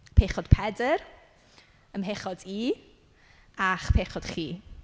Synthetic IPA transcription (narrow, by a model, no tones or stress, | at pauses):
pʰeχɔd̥pʰɛdər | əmɦeχɔdiː | aχpʰeːχɔd̥χiː